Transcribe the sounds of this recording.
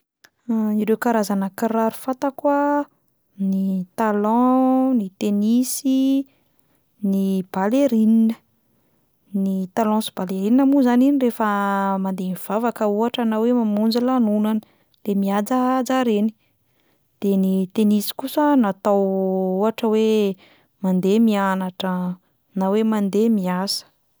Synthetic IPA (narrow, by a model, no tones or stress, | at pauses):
iɾewkaɾazanəkiɾaɾu̥fat̪akwa | nit̪alɔ̃nit̪enisi | nib̥aleɾininə̥ | nit̪alɔ̃si̥b̥aleɾininəmuzaninirefəmand̪emiv̥avakəuaʈ͡ʂənawemamund͡ʒalanunanə̥ | lemiad͡zad͡zaɾeni̥ | d̪̥enit̪enisi̥kusənat̪awuaʈ͡ʂəwe | mand̪emianaʈ͡ʂə | nawemand̪emiasə̥